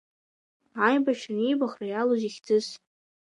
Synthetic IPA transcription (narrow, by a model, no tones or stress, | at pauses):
ajbaʃnijbaχrajaloziχʲd͡zɨs